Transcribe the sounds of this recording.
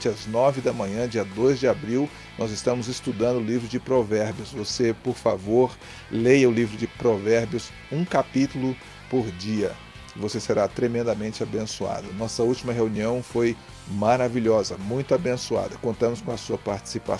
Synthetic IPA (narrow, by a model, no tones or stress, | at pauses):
t͡ʃɪɐznɔvɪd̪ɐmɐ̃ɲɐ̃d͡ʒiɐd̪ojzd͡ʒɪabɾiw | nɔzɪst̪ɐ̃mʊzɪst̪ud̪ɐ̃nd̪ʊlivɾʊd͡ʒɪpɾovɛɾbjʊsvosepoɾfa̰voɾ | lejɐʊlivɾʊd͡ʒɪpɾovɛɾbjʊs | ũkapit̪ulʊ | poɾd͡ʒiɐ | ɪvoseseɾat̪ɾemẽnd̪ɐmẽnt͡ʃɪabẽsua̰d̪ɐnɔsɐuwt͡ʃimɐɦeuniɐ̃w̃foj | maɾaviʎɔzɐmũj̃t̪ʊabẽsua̰d̪ɐkõnt̪ɐ̃mʊskõɐsuɐpaɾt͡ʃi̥sipa